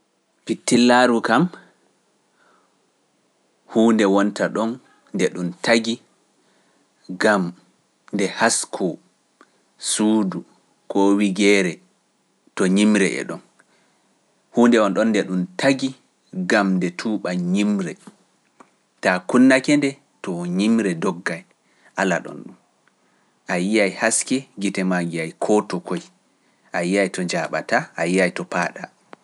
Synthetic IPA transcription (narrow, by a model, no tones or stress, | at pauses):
pitːilːaɾukam | huːndɛwɔntaɗɔn | dɛɗuntʰaɡi | ɡam | ndɛhaskʰɔ | suːdu | kɔwiɡɛːɾɛ | tɔɲimɾɛ̰ʔɛ̰ɗɔn | huːndɛɔnɗɔndɛɗumtʰaɡi | ɡamdɛtʰuːɓaɲimɾɛ | takunːakɛndɛ | tɔɲimɾɛdɔɡːaj | ʔala̰ɗɔ̰nɗum | ʔajiajhaskɛɡitɛmaɡiajkʰɔtɔkɔj | ʔajijajtɔd͡ʒaɓa̰taʔajijajtɔpaːɗa